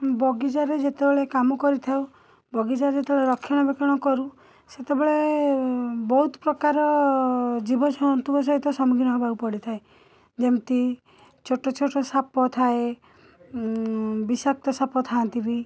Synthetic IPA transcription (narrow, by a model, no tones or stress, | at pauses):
bɔɡid͡ʒaɾed͡ʒet̪ebeɭekamɔkɔɾit̪ʰaw | bɔɡid͡ʒaɾed͡ʒet̪ebeɭeɾɔkʰːjɔɽ̃ɔbekɔɽ̃ɔkɔɾu | set̪ebeɭe | bɔɦut̪ɔ̥pɾɔkaɾɔ | d͡ʒibɔd͡ʒʱɔɔnt̪ukɔs̬ɔɦit̪ɔsɔmuɡʱinɔɦebaupɔɽit̪ʰae | d͡ʒemt̪i | t͡ʃʰoʈɔt͡ʃʰoʈɔsapɔt̪ʰae | bisak̚t̪ɔsapɔt̪ʰaːnt̪ibi